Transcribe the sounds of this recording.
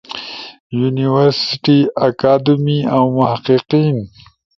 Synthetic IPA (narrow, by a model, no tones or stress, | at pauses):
juniwaɾsɪʈiakaːd̪miawmʊhaqiqiːn